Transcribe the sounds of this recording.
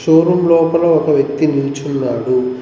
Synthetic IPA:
ʂoːɾumlɔːpɐloːɔkɐʋjɐk̚t̪inilt͡ʃunːaːɽu

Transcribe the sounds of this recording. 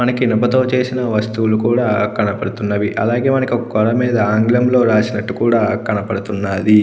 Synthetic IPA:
mɐnɐkiinɐpɐt̪o̞ːt͡ʃe̞ːsinɐʋɐst̪uʋulukuːɽaːkɐɳɐpɐɽut̪unːɐʋiʔɐ̰laːɡe̞ːmɐnɐkiɔkɐkɔɾɐmiːd̪ɐaːŋɡlɐmlo̞ːɾaːsinɐʈːukuːɽaːkɐɳɐpɐɽut̪unːaːd̪i

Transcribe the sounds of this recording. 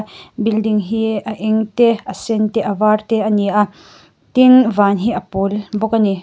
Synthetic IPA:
bildiŋɦiaʔɛŋt̪eʔasent̪eʔavart̪eɐniʔa | t̪invanɦiʔɐpolbɔkani

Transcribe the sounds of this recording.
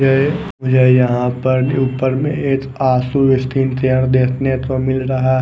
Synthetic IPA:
d͡ʒe | ʊd͡ʒʱejɐɦãpəɾuːpəɾmḛ̃eːk | aːsuʋɪst̪ʰiːnt̪ijaɾd̪eːkʰnet̪omɪlɾɐɦa

